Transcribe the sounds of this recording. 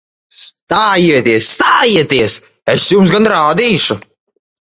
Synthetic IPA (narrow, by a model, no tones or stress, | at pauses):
st̪aːjiɛt̪iɛsːt̪aːjiɛt̪iɛs | esjums̬ɡanɾaːd̪iːʃu